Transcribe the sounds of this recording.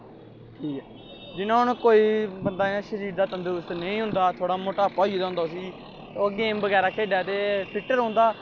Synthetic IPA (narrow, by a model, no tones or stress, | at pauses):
ʈʰiːkɛː | d͡ʒɪnãːɦʊnkoːiːbənd̪aːãːʃəɾiːɾd̪aːt̪ənd̪ust̪nəĩːɦʊ̃nd̪aːt̪ʰoːɽaːmoːʈaːpɔːiːd̪aːɦʊnd̪aːʊs̬iː | oːɡeːmbəɡɛːɾaːkʰeːɖjaːt̪eːpʰɪʈːəɾɦʊ̃nd̪aː